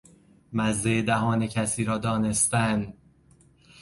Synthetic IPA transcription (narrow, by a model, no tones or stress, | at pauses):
mæzːeed̪æɦɒːnecʰæsiːɾɒːd̪ɒːne̞st̪æn